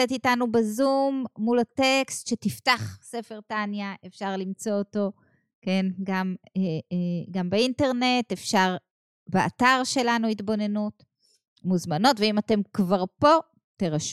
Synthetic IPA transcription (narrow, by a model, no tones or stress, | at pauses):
et̪itanubezumːulatekstʃetiftaχse̞fe̞ʁtanjaʔe̞fʃaʁlimt͡so̞oto̞ | ke̞nɡameɡambeinteʁne̞tefʃaʁ | bea̰taʁʃe̞lanuitbo̞ne̞nut | muzmano̞tveimate̞mkvaʁpo̞ | teʁaʃ